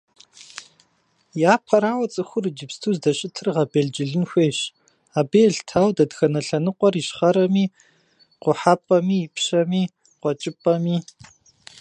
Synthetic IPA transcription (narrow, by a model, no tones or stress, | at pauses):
jaːpʰɐɾaːwɐt͡sʼɨxʷʊrd͡ʒɪpstʰuːzdɐɕʼɪtʰɨrʁɐbeːɮd͡ʒɪɮɨnxʷeːɕ | aːbeːɮtʰaːwdɐdxɐnɐɬɐnɨqʷʼɔriːʃχɐɾɐmiː | qʷʊħapʼɐmiːɪpʰɕɐmiː | qʷɔt͡ʃʼɪpʼɐmiː